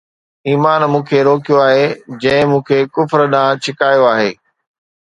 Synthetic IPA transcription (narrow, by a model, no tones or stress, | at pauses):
iːmaːnmũːkʰeɾoːkijoaːɦed͡ʑɐ̃ɦɪ̃mũːkʰekʊfɾɗãːt͡ɕʰɪkaːjoaːɦeː